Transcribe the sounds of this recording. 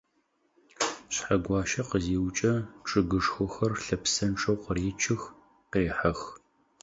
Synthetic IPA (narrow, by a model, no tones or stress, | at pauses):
ɕħaɡʷɑːʃɐqəziːwt͡ʃʼɐʈ͡ʂʼɨɡɨʂxʷɔxɐrɬɐpsɐnʈ͡ʂʼɐwqəreːt͡ʃʰɪx | qeːħɐx